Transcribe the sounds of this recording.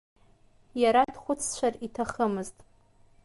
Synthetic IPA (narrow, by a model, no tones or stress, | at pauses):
jaɾadχʷʊt͡sʰt͡ʃʷʰaritʰaχəmɨztʼ